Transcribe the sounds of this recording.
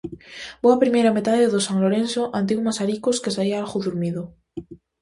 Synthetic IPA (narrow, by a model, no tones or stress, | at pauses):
b̥oapɾimeɾamet̪aðeðosaŋloɾensoʔant̪̬iumasaɾikoskesaiaalɣuðuɾmiðo